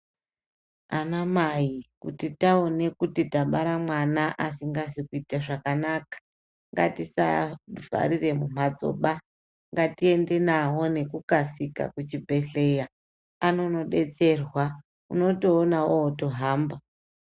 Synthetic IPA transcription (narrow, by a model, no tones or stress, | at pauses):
anamaikṵtitaone̞kutitaɓaɾamwanaʔasiŋɡasikuitaʐakanakḁ | ŋɡa̰tisa̰vʱa̰ɾire̞mum̤ad͡zo̰ɓa | ŋɡatie̞nde̞nawo̞ne̞kukasika̰kut͡ʃibʱe̞ɬe̞ja | ano̞no̞ɗe̞t͡se̞rwa | uno̞to̞ːnawooto̞ɦaːmba